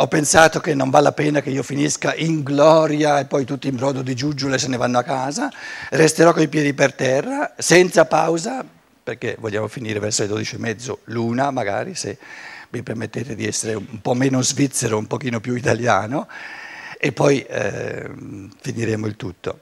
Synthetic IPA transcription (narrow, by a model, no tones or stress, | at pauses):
ɔpːensaːt̪okenːõɱvalːapɛːnak̟eiːofiniskaʔiŋɡlɔːɾjaepːɔjt̪ut̪ːiːmbɾɔːd̪od̪id͡ʒud͡ʒːoles̬enːevanːoakːaːzarest̪eɾɔkːoipjɛːd̪ipert̪ɛrːasɛnt̪sapawza | perkevoʎːaːmofiniːɾevɛrsoid̪od̪it͡ʃiemːɛd̪zːoluːnamaɡa̰ːɾisemipermet̪ːeːt̪ed̪iɛsːeɾeumpɔmːeːnozvit̪sːeɾoumpok̟iːnopjuit̪alja̰ːno | epːɔjɛ̰ | finiɾeːmoilt̪ut̪ːo̰